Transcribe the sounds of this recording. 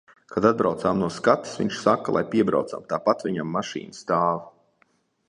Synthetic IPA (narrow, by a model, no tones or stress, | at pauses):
kad̪ad̪̚bɾawt̪saːmnuɔskat̪ːi̥svʲḭɲʲʃsakːalˠa̰jpiɛbɾa̰wt̪sa̰mt̪aːpat̪vʲiɲamːaʃḭːnəst̪aːva